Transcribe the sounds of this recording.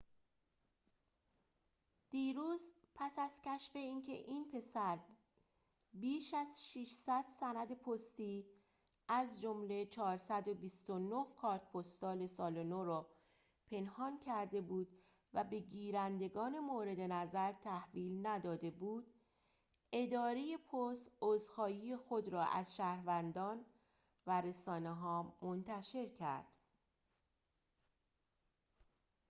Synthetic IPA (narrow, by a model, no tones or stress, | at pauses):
d̪̥iːɾuːzpʰæsæz̥cʰæʃfe̞iːncʰe̞̰ʔiːnpʰe̞sæɾ | biːʃæzʃiʃsæd̪sænæd̪epʰost̪iː | æzd͡ʒomle̞t͡ʃʰɒːɾsæd̪o̞bist̪onohkʰɒːɾt̪̚pʰost̪ɒːle̞sɒːlonoɾɒː | pʰe̞nhɒːncʰæɾd̪e̞buːd̪ | væbe̞ɡiːɾænd̪e̞ɡɒːne̞moːɾe̞d̪e̞næzæɾt̪ʰæhviːlnæd̪ɒːd̪e̞buːd̪̥ | e̞d̪ɒːɾeje̞pʰost̪ozxɒːjiːjexod̪ɾɒːʔæ̰zʃæːhɾvænd̪ɒːn | væɾe̞sɒːneɦɒːmo̞nt̪ʰæʃe̞ɾcʰæ̰ɾd̪̥